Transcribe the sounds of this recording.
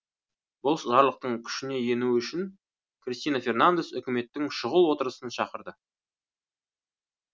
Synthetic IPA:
bʊlˠʃʒɑɾlˠəq̚t̪əɴkʲʰʏ̥ʃɪne̞je̞nuʏʃɪn | krʲist̪ijnafʲe̞rnand̪e̞sʏkʲɪme̞t̪ːɪŋʃʊʁəlˠwo̞t̪əɾəsənʃɑqəɾd̪ə

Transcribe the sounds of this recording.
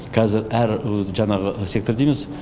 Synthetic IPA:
kʰɑzɪɾæɾʒɑnɑʁəsʲe̞kt̪ord̪ejmes

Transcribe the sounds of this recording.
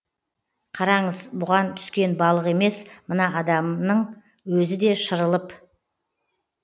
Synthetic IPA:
qʰɑɾɑɴəzbʊʁɑnt̪ʰʏ̥skʲe̞nbɑlˠəʁe̞me̞smənɑɑd̪ɑmnəɴ | wɵzɪd̪e̞ʃəɾəlˠəp

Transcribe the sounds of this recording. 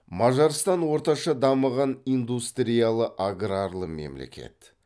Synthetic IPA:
mɑʒɑɾst̪ɑnwo̞ɾt̪ɑʃɑd̪ɑməʁɑnind̪ust̪ɾijalˠəʔaɡɾaɾlˠəme̞̰mle̞̰kʲe̞̰t̪

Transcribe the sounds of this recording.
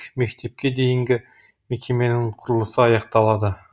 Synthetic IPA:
me̞kt̪e̞p̚kʲe̞d̪e̞jɪŋɡʲɪ | me̞kʲʰe̞me̞nɪŋqʰʊɾəlˠəsəɑjɑqt̪ɑlˠɑd̪ə

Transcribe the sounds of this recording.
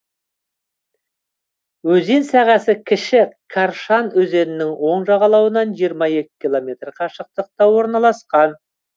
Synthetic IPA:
wɵze̞nsæʁɑsɪkʲʰɪʃɪkʰɑɾʃɑnɵze̞nɪnɪŋwo̞ɴʒɑʁɑlˠɑwənɑnʒijəɾmɑje̞kʲɪ̥kʲilˠo̞mʲe̞t̪rqʰɑʃəq̚t̪əq̚t̪ɑwo̞ɾnɑlˠɑsqɑn

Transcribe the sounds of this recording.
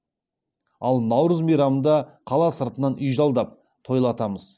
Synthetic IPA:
ɑlˠnɑwɾəzmijɾɑmənd̪ɑqʰɑlˠɑsəɾt̪ənɑnʏjʒɑlˠd̪ɑp̚ | t̪ʰo̞jlˠɑt̪ɑməz̥

